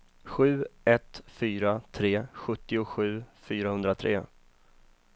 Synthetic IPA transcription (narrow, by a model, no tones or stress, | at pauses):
ɧʉ̟ːɛt̪fyːɾat̪ʰɾeːɧɵt̪ːɪʊɧʉ̟ːfyːɾahɵnd̪ɾat̪ʰɾḛː